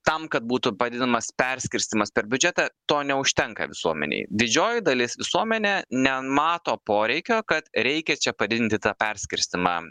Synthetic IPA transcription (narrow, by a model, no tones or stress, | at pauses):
t̪ɐmkɐt̪̚buːt̪ʊpɐd̪ʲɪd̪ʲɪnɐmɐspʲɛɾʲsʲkʲɪɾʲst̪ʲɪmɐspʲɛɾbʲʊd͡ʒʲɛt̪ɑt̪oːnʲɛʊʃʲt̪ʲɛŋkɐ̰ʋʲɪsuɔmʲɛ̰nʲɛ̰ɪd̪ʲɪd͡ʒʲoːjɪd̪ɐlʲɪsʋʲɪsuɔmʲɛnʲeːnʲɛmɑːt̪oːpoːɾʲɛɪkʲoːkɐt̪ɾʲɛɪkʲɛt͡ʃʲɛpɐd̪ʲɪd̪ɪnʲt̪ʲɪt̪ɑːpʲɛɾʲsʲkʲɪɾʲsʲt̪ʲɪmɑ̰